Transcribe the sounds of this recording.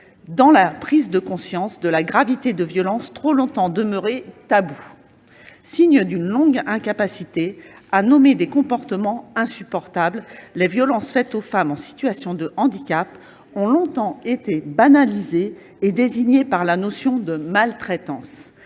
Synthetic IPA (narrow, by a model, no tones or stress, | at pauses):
d̪ɑ̃lapχizd̪əkɔ̃sjɑ̃sd̪əlaɡʁavit̪ed̪əvjɔlɑ̃st̪χolɔ̃t̪ɑ̃d̪əmœʁet̪abu | siɲəd̪ynlɔ̃ɡɛ̃kapasit̪eanɔmed̪ekɔ̃pɔʁt̪əmɑ̃ɛ̃sypɔʁt̪abllevjɔlɑ̃sfɛt̪ofamɑ̃si̥t̪ɥasjɔ̃d̪əʔɑ̃d̪ikʲap | ɔ̃lɔ̃t̪ɑ̃et̪ebanalizeː | d̪eziɲepaʁlanosjɔ̃d̪əmalt̪χɛt̪ɑ̃s